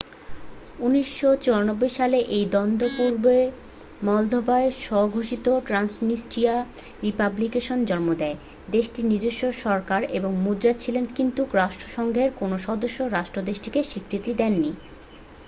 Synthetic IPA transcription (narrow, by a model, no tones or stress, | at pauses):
uniʃːot͡ɕoɾanobːojʃaleʔejd̪ɔnd̪ʱopuɾbe | mɔld̪ʱobaeʃɔɦoɡʱoʃit̪oʈɾansnisʈia | ɾipablikeʃond͡ʑɔnmod̪ɛe | d̪eʃʈinid͡ʑeʃːoʃɔɾkaɾeboŋmudɾat͡ɕʰilenkint̪ukɾaʃʈɾoʃɔŋɡʱeɾkonoʃɔd̪oʃːoɾaʃʈɾod̪eʃʈikeʃikʰɾit̪id̪ɛnːi